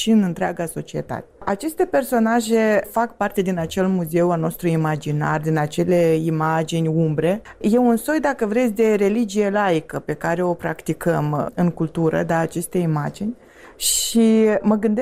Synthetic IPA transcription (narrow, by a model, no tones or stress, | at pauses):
ʃiɨnɨnt̪ɾeaɡaso̞t͡ʃie̞t̪a̰t̪e̞at͡ʃe̞st̪e̞pe̞rso̞naʒe̞fak̚part̪e̞d̪inat͡ʃe̞lmuze̞ualno̞st̪ɾuimad͡ʒina̰rd̪inat͡ʃe̞le̞imad͡ʒinʲumbɾe̞ | je̞unso̞jd̪akəvɾe̞t̪sʲd̪e̞ɾe̞lid͡ʒije̞laikəpe̞kaɾe̞o̞pɾa̰kt̪ikəmɨŋkult̪uɾə̰d̪aːt͡ʃe̞st̪e̞imad͡ʒinʲ | ʃiməɡɨnd̪e